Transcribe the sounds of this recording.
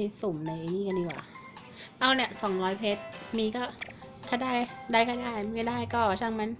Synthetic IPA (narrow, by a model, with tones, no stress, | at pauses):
so˨˩˦mna˧˩ʔniː˥˩ka˧ndiː˧˩kwa̰ː˨˩˦ | ʔa˧wni˥˩ɐsɔ˨˩˦ŋɾɔː˦˥jpʰe˦˥t̪̚miː˧kɔː˥˩ | t̪ʰaː˥˩daː˥˩jdaː˥˩jkɔː˥˩daː˥˩jkaː˥˩daː˥˩jkɔː˥˩t͡ɕʰa˧˩ŋma˧˥n